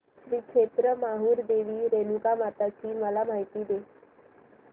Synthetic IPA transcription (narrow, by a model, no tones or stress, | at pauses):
ɕɾiːkʂet̪ɾəmaɦuːɾd̪eʋiːɾenukamat̪at͡ɕiːməlam̤aɦit̪iːd̪e